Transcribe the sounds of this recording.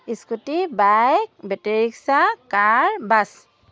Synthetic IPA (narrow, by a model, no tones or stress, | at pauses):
iskutibajk̚bɛteɹiksakaɹbas